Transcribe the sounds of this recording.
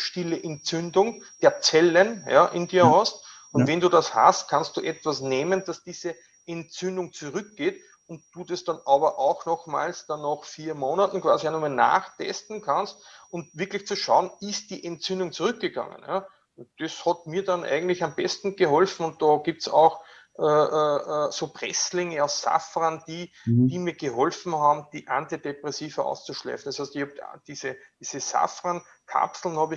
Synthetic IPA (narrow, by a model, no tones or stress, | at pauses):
ʃtɪləʔɛntt͡sʏndʊŋd̥eːɐt͡sɛlənja̰ʔɪndiːɐhɔst | ʊntvɛ̃nduːdasha̰stkʰanst̚d̥uːʔɛtv̥asneːmənd̥asd̥iːzə | ʔɛnt͡sʏndʊŋt͡suʁʏk̚ɡ̥eːt | ʊntd̥uːdesd̥anaːbɐʔaʊxnɔxma̰ːlsd̥anːaxfiːɐmoːnatn̩kv̥aːzianuːmana̰ːxtʰɛ̰stn̩kʰanst̚ʊntv̥ɪɐklɪçt͡suʃaʊənɪst̚d̥iːʔɛntt͡sʏndʊŋt͡suʁʏk̚ɡ̥əɡ̥a̰ŋə̰nja | d̥eshɑt̚miːɐdɑnʔa̰ɪɡŋ̩tlɪçambɛstn̩ɡ̥əɦɔlfn̩ʊ̃nt̚d̥ɑɡ̥iːp̚tsa̰ʊx | ʔɛːʔəʔəsoːpʁɛ̰slɪŋəaʊsːa̰fʁand̥iːd̥iːmiːɐɡ̥əɦɔlfn̩haːbm̩d̥iːʔãntidepʁɛsiːvəʔa̰ʊst͡suʃlɛ̰ːfn̩d̥shæɪstɪçhɑb̚d̥iːz̥əd̥iːz̥əsa̰fʁan | kʰa̰psl̩n̩hɑːb